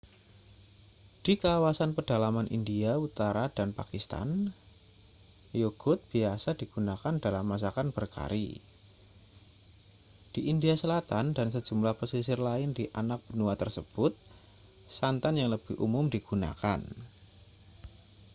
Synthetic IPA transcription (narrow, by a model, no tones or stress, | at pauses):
d̥ikawasanpərd̥alamanʔḭndiaut̪aɾadanpakist̪a̰n | joɡ̥ʊt̪̚b̥iasadiɡ̥unakandalamːas̬akanb̥ərka̰ɾḭ | d̥iʔindiasəlat̪andansə̥d͡ʒ̥umlahpəsisɪrlaɪndiʔanak̚b̥ənuat̪ərsəb̥ʊt̪̚ | sant̪anjaŋləb̥ɪhʔṵmʊmdiɡ̥una̰ka̰n